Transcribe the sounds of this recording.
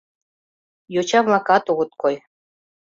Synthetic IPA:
jut͡ɕɑβlˠɑkɑt̪uʁɤ̆t̪̚koj

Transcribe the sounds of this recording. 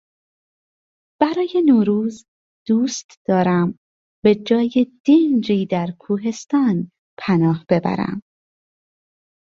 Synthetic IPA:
b̥æɾɒːje̞noːɾuːz | d̪̥uːst̪ʰd̪̥ɒːɾæm | be̞d͡ʒɒːjed̪̥ind͡ʒiːd̪æɾkʰuːɦe̞st̪ɒːn | pʰænɒːhb̥e̞bæ̰ɾæ̰m

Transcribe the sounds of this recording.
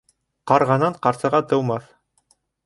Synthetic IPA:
qɑɾʁɑnɑɴqɑɾsɤ̆ʁɑt̪ɤ̆wmɑθ

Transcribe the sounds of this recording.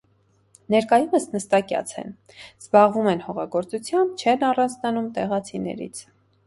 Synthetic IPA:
nɛɾkɑjuməsnəst̪ɑkjɑ̰t͡sʰɛ̰n | z̥bɑʁvumɛnhɔʁɑɡɔɾt͡sut͡sʰjɑmb̚t͡ʃʰɛnɑrɑnd͡znɑnumt̪ɛʁɑt͡sʰinɛ̰ɾḭt͡sʰ

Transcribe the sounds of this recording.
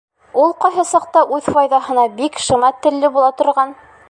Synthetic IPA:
ulˠqɑjɦɤsɑq̚t̪ɑʔʉðfɑjðɑɦɤ̆nɑbikʃɤ̆mɑt̪ːɘ̆lːɘbulˠɑt̪ŏɾʁɑn

